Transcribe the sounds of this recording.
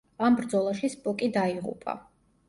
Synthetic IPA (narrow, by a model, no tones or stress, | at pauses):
ambɾd̪zɔlˠaʃispʼɔkʼid̪aiʁṵpʼa̰